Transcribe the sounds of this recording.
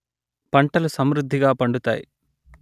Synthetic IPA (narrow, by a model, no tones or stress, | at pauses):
pɐɳʈɐlusɐmɾud̪ʱːiɡaːpɐɳɖut̪a̰ːjḭ